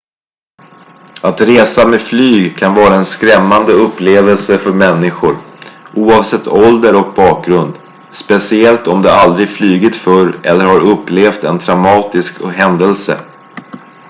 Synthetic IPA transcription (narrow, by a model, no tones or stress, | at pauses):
at̪ɾeːsamɛflyːɡkʰanvɑːɾaɛnskɾɛmːand̪əɵpːleːvəlsəfœɾmɛnːɪɧʊɾʔuːɑvsɛt̪ʰːɔld̪əɾɔk̚bɑːk̚ɡɾɵnd̪ | spɛsɪɛlt̪ɔmd̪ɛald̪ɾɪɡflyːɡɪt̪fœɾɛlːəɾhaɾɵpːleːft̪ɛnt̪ʰɾamɑːt̪ɪskɦɛnd̪əlsə̰